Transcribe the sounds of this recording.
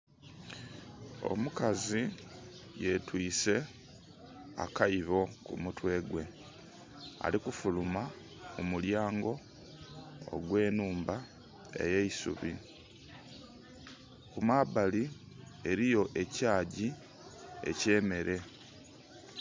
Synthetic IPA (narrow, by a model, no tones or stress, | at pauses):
o̞̰mukazi | je̞twiːse̞ | a̰kaiβo̞kṵmutwe̞ːɡwe̞ | a̰likufuluma | mumuljaːŋɡo̞ | ɡwe̞ːnuːmba | e̞̰je̞isṵβi | kumabali | e̞ɾijo̞ʔe̞caːɟi | ḛce̞ːme̞ɾʔe̞